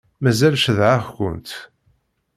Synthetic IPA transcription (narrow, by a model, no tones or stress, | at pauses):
mæzælʃəðʕaxkʷʊ̰nt̪